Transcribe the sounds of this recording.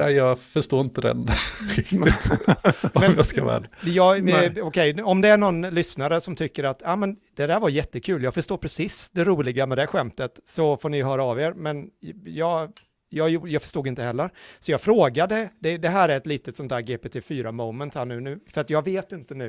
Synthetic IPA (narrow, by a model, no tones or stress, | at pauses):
ɛɪjɑːɡfœʂʈoːɪnt̪əd̪ɛ̰nɾɪkt̪ɪt̪ | ɔmɛmjɑskavɛ̰ːd̪jɑːɡɔkʰɛjɔmd̪ɛæɳɔnːlʏsnaɾəsɔmt̪ʰʏkːəɾat̪ːaːmɛnd̪̥ɛd̪æːɾvaɾjɛt̪ːəkʰʉ̟ːljɑːɡfœʂt̪oːɾpʰɾɛsisd̪ɛɾuːlɪɡamɛd̪ɛɧɛmt̪ət̪sɔfoːɳɪɦœːɾaːveːɾmɛnjɑːɡ | jɑːjujɑːɡfœ̥ʂt̪uːɡɪnt̪əhɛlːəɾsɔjɑːɡfɾoːɡad̪əd̪ɛd̪ɛɦæːɾæɾɛt̪liːt̪ət̪sɔnt̪ʰhæːɾɡeːpet̪ʰefyːɾamɔʊmənt̪hæːɳʉ̟ːnʉ̟ːfœɾat̪jɑːɡveːt̪ɪnt̪ənʉ̟ː